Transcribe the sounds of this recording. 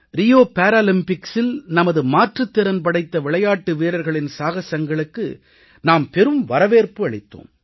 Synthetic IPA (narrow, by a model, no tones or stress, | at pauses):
ɾɪjoːpaːɾaːlɪmpɪksɪlnɐmɐðɯmaːʈrɯt̪ːɪɾɐnp̬ɐɽɐɪt̪ːɐʋɪɭɐjaːʈːɯʋiːɾɐɾɣɐɭɪnsaːɣɐsɐŋɡɐɭɯkːɯ̰ | naːmpɛɾɯmʋɐɾɐʋeːɾpɯɐɭɪt̪ːo̰ːm